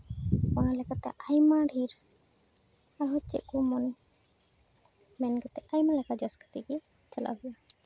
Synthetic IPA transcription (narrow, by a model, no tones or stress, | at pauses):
analɛkat̪ɛ̰ʔajmaɖʱiɾ | aɾɦɔt͡ʃɛ̰ʔkɔmɔn | mɛnɡɔt̪ɛajmalɛkad͡ʒɔskə̥t̪ɛɡɛ | t͡ʃəla̰ɦɛja